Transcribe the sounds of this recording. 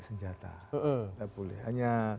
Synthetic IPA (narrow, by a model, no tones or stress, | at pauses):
səɲd͡ʒat̪a̰əʔt̪abulɪ̰ha̰ɲa